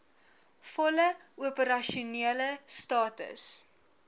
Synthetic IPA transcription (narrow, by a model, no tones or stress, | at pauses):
fɔlə | uəpəɾɐʃuniələstɑːtə̰s